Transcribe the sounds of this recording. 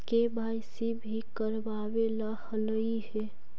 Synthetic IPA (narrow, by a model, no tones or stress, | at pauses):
kebʱaisibʱikəɾbawelahələihɛ